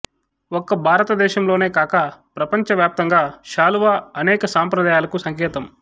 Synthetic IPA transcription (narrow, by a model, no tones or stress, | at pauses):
okːɐbʱaːɾɐt̪ɐd̪ɛːʃɐmlo̞ːne̞ːkaːkɐpɾɐpɐɲt͡ʃɐʋjaːp̚t̪ɐŋɡaːʃaːluʋaːɐnɛːkɐsaːmpɾɐd̪aːjaːlɐkusɐŋkɛːt̪ɐm